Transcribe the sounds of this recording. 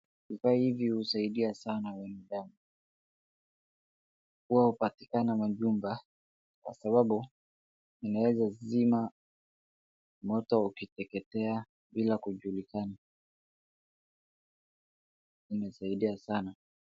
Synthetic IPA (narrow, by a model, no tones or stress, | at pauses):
ifahivihusaiɗiasanawɛnɛɗamu | kuwahupati̥kanamaʄumba | kwa̰saɓaɓu | inawɛzazima | mɔtɔukitɛkɛtɛa | ɓilakuʄulikana | imɛsaiɗiasana